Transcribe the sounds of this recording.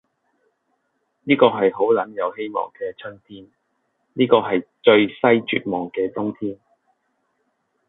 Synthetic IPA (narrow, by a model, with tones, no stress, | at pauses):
niː˥kɔː˧ɦɐ˨jɦo˨˥wlɐ˨˥njɐ˨˧whe˥jmɔ̰ː˨˩ŋkɛː˧t͡ʃʰɵ˥nt̪ʰiː˥n | niː˥kɔː˧ɦɐ˨jt͡ʃɵ˧ɥsɐ˥jt͡ʃy̰ː˨t̚mɔː˨ŋkɛː˧t͡sʊ˥ŋt̪ʰiː˥n